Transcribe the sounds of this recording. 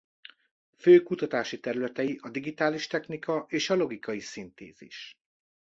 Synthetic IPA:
føːkut̪ɒt̪aːʃit̪ɛɾylɛt̪ɛjiʔɒd̪iɡit̪aːliʃt̪ɛxnikɒʔeːʃɒlo̞ɡikɒjisint̪ḛːzḭʃ

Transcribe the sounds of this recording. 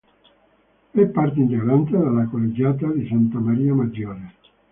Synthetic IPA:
ɛpːart̪̬eint̪eɡɾant̪ed̪alːakolːed͡ʒaːt̪ad̪isant̪amaɾiːamad͡ʒːɔːɾe

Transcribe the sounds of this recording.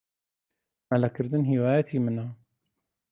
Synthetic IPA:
malakʰəɾd̪ənɦiwaːjat̪ʰiːməna

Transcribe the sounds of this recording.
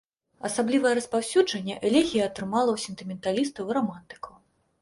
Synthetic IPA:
ɐsablʲivɐjɛɾɐspawsʲud͡ʐɐnʲːɛʔɛlʲɛɣʲijɐɐt̪ɾɨmalˠɐwsʲɛnt̪ɨmʲɛnt̪alʲist̪ɐwiɾɐmant̪ɨ̥kɐw

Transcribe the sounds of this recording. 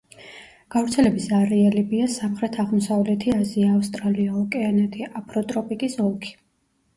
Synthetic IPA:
ɡ̥avɾt̪sʰɛlɛbisaɾialibiasamχɾɛt̪ʰaʁmɔsavlɛt̪ʰiaziaːfst̪ʼɾaliaɔkʼɛanɛt̪ʰiʔapʰɾɔt̪ʼɾɔpʼikʼisɔlˠkʰi̥

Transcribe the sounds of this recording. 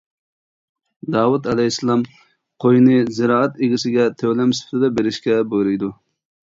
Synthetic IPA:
d̪ɑːwut̪ɛlɛɦislˠɑm | qʰojnɨzɪɾɑːɛt̪eɡʲisɪɡʲɛt̪ʰøwlɛmsɪ̥pʰt̪ʰɪd̪ɛbeɾɪʃkʲɛboɾɨjd̪u

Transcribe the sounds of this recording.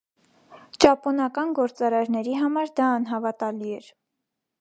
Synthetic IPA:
t͡ʃɑpɔnɑkɑnɡɔɾt͡sɑɾɑɾnɛɾiɦɑmɑɾd̪ɑːn̪ɦɑvɑt̪ɑliɛɾ

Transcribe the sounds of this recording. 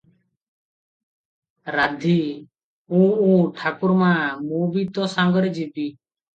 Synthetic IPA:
ɾad̪ʱiː | ũːũːʈʰaːkʊɾmãːmuːbiːt̪ɔːsãŋɡəɾd͡ʒibiː

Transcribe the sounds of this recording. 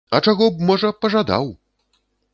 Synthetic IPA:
ɐt͡ʂaɣɔb̚mɔʐɐpɐʐad̪a̰w

